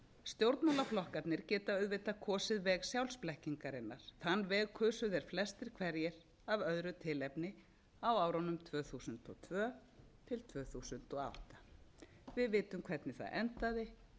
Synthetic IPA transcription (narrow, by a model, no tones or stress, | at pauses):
st̪jowɾt̪nalaflɔhkat̪nɪɾcɛːt̪aœɥðvɪt̪akʰɔːsɪðvɛːɣsjawlsplɛhciŋkaɾɪnːaɾ̥θanːvɛːɣkʰœːsʏðɛɾ̥flɛst̪ɪɾ̥kʰvɛɾjɛɾ | avœðɾʏt̪ʰɪlɛpnɪ | awaːwɾawnʏmt̪ʰvœːθusʏnt̪ɔ̰t̪ʰvœːt̪ʰɪlt̪ʰvœːθusʏnt̪ɔa̰wht̪ḁ | vɪðvɪːt̪ʏmkʰvɛt̪nɪθa̰ðʔɛ̰nt̪aðɪ